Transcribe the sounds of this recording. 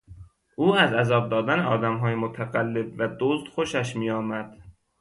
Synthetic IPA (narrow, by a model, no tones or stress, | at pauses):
ʔuːæzæzɒːb̚d̪ɒːd̪æneɒ̰ːd̪æmɦɒːjemot̪ʰæɣælːebvæd̪oːzd̪̥xo̞ʃæʃmiːjɒːmæd̪̥